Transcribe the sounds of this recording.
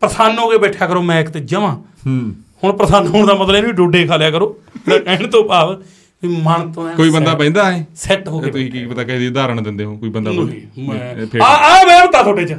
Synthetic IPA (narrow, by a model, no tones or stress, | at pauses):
pɾəsaːnɦoːkeːbɛːʈʰjaːkəɾoːmɛ̃ːɪkt̪ed͡ʒəʋãː | hʊɳpɾəsaːnɦʊɳd̪aːmət̪ləeːnːʋiɖoːɖeːkʰaːljaːkəɾoːeːkɛɳt̪õːpaːʋ | ʋiːmaɳt̪õːɛ̃koːiːbənd̪aːpɛ̃ːnd̪aːeːsɛʈɦoːkeːt̪ʊsĩːkiːpət̪aːkəd̪iːd̪aːɾəɳd̪ɪnd̪eːɦõːkoːiːbənd̪a | pʰːabeːbət̪ːaːt̪ʰoːʈeːt͡ʃə